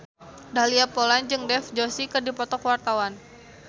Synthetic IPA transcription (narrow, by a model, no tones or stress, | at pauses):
dahliapoland͡ʒɨŋdɛfd͡ʒosikɨrdipɔt̪ɔkwart̪awan